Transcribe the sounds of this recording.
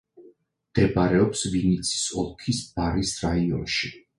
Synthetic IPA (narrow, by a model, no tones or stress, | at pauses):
md̪̥ɛbaɾɛɔpsvinit̪sʰi̥sɔlˠkʰisb̥aɾisɾaiɔ̰nʃi